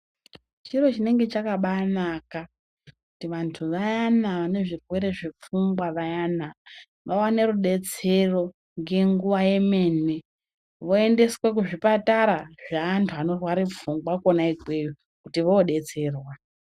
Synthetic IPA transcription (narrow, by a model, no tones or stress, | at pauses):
t͡ʃiro̞t͡ʃine̞ŋɡe̞t͡ʃakaɓanaka | kutiʋantʰuʋajanaʋane̞ʐirwe̞ɾe̞ʐip͡fuŋɡwaʋajana | ʋawaneɾuɗe̞t͡se̞ro̞ | ŋɡe̞ŋɡuʋaje̞me̞ne̞ | ʋo̞e̞nde̞swek̬uʐipataɾaʐaaːntʰuano̞rwaɾip͡fuŋɡwakonaiɡwejo | kutiʋoːɗe̞t͡se̞ːrwa